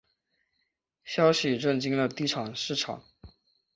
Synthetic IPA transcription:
ɕjɑ˥ʊɕi˨ʈ͡ʂə˥˧nt͡ɕi˥ŋd̪ə˨t̪i˥˩ʈ͡ʂʰɑ˨˩ŋʂɻ̩˥˩ʈ͡ʂʰɑ̰˨˩˦ŋ

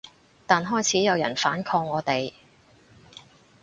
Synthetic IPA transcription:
t̪aː˨nɦɔː˥jt͡sʰiː˨˥jɐ˨˧wjɐ̰˨˩nfaː˨˥nkʰɔː˧ŋːɔː˨˧t̪e˨j

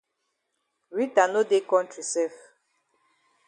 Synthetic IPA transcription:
ɾi˦ta˨no˦de˦kɔ̃˦n˦t͡ʃu˨sɛ˦f

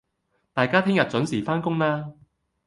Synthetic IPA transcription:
t̪aː˨˩jkaː˥t̪ʰɪ˥ŋjɐ˨˩t̚t͡sɵ˨˥nsiː˨˩faː˥nkʊ˥ŋlaː˥

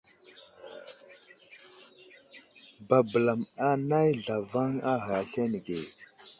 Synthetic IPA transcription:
ba˨bə˨la˨ma˦na˦jɮa˨va˦ŋa˦ɦa˨ɬe˦n˨ɡe˨

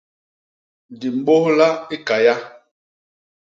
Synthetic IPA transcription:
di˨m̩˦ɓo˦hla˦i˦ka˨ja˦

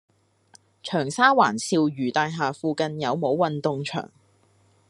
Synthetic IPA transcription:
t͡ʃʰœː˨˩ŋsaː˥waː˨˩nsiː˧wjyː˨˩t̪aː˧jɦaː˨fuː˧kɐ˧njɐ˨˧wmo˨˧˥wːɐ˨nt̪ʊ˨ŋt͡ʃʰœ̰ː˨˩ŋ

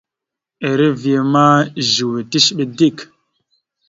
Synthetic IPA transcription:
e˨ɾe˦vje˨ma˦ʒu˨we˨ti˦ʃɓe˨di˦˨k

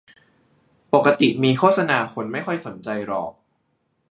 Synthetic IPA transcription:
po˨˩kːa˧t̪i˨˩miː˧kʰoː˥˩t̪̚sa˧naː˧kʰo˧nma˥˩jkʰɔ˥˩jso˩˦nt͡ɕa˧jɾɔ̰ː˨˩k̚

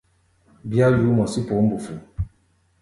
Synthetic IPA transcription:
bja˦ju˨˦mɔ˨si˦po˨˦m̩˦bu˨fu˨

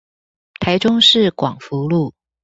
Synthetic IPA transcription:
t̪ʰa˧˥ɪʈ͡ʂʊ˥ŋʂɻ̩˥˨kwɑ˨˩ŋfu˧˥lu˥˩

